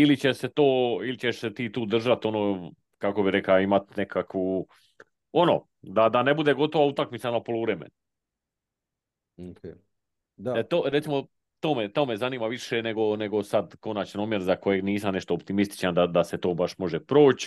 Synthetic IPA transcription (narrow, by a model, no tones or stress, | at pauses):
ilit͡ɕeʃse̞t̪o̞ːilit͡ɕe̞ʃse̞t̪iːt̪uːd̪r̩ʒat̪o̞noː | kako̞biɾe̞klaimat̪ne̞kʰakʋu | o̞no̰ː | d̪ad̪ane̞bud̪e̞ɡo̞t̪o̞ʋaut̪akmit̪samapolouʋɾemḛnu | oke | et̪oːɾt̪imo̞ | t̪oːmet̪o̞ːme̞zaniːmaʋiʃe̞ne̞ɡo̞ne̞ɡo̞sad̪ko̞nat͡ɕnoːmje̞ɾzako̞je̞ɡniːsamne̞ʃt̪oːp̚t̪imist̪i̥t͡ʃand̪ad̪aset̪o̞ːbaʃmo̞ʒepɾo̞ːt͡ɕ